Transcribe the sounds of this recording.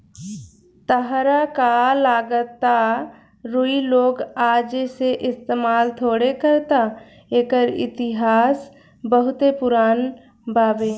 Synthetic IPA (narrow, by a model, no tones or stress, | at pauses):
t̪əɦɾakalaːɡət̪ːa | ɾʊiloːɡaːd͡ʒeseʔɪst̪eːmaːlt̪ʰoːɽekəɾt̪a | eːkəɾɪ̰t̪ɪɦaːs | bəɦʊt̪epʊɾaːn | baːbeː